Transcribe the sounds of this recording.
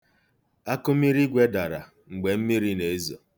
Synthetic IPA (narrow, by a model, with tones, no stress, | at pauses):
a˦kʊ˦mi˦ɾi˦ɡʷe˦da˨ɾa̰˨ | ŋ͡m̩˨ɡ͡be˨m̩˦mi˦ɾi˦ne˨˦zo̰˨